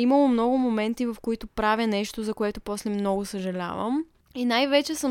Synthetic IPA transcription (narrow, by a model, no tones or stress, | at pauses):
iməlˠomnɔɡʊmomɛnt̪ivɐfkoit̪ʊpɾavjənɛʃt̪ozɐkoɛt̪ʊpɔslɛmnɔɡʊsɐʒɐlʲa̰və̰m | inajvɛt͡ʃɛsəm